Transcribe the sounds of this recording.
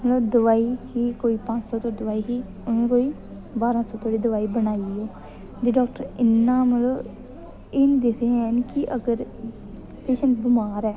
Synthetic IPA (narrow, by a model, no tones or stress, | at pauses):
mət̪ləbd̪ʊʋaːiːhiːkoːiːpãt͡ʃsɔːt̪oːɾd̪əʋaːiːɦiː | ʊnẽːkoːiː | baːɾãːsõːt̪ʰoːɽiːd̪əʋaːiːbənaːiɛː | d͡ʒ̪eɖɔːk̚ʈəɾɪnːãːmət̪ləb | eːnːd̪esʰẽɛnkɪʔəɡəɾ | peːʃənʈbɪmaːɾɛː